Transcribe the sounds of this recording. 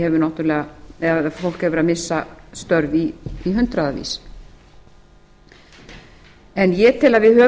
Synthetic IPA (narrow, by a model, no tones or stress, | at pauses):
ɛvʏɾnawht̪ʏɾlɛːɣa | fowl̥khɛvʏɾamɪsːast̪œɾviːɦʏn̥t̪ɾaðavḭs | ɛnjɛt̪ʰɪlaðvɪðhœː